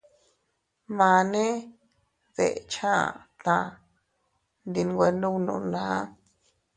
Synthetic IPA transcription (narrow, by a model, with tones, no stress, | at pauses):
mã˨˧nẽ˦ | ðḛ˨ʔt͡ʃʰã˦˨t̪ã˧ | nd̪i˧n˧ɡʷe˧nũ˦wnṵ̃˧nãː˨˦